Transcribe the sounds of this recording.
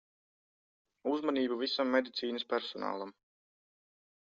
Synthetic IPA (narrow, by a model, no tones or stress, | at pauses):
uzmaniːbuvisamːed̪it̪siːnɨspæɾsɔna̰ːlˠam